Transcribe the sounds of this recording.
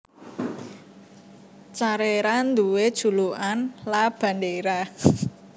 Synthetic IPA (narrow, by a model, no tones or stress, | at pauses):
t͡ʃaɾeɾand̪uwed̥ʒ̥ṳluʔanlab̥a̤ndeɾa